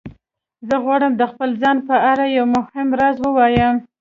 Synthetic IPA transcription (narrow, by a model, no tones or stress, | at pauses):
zəɣwɑɽəmd̪əxpəlzɑnpəaɾajawmʊhɪmɾazwəwɑjəm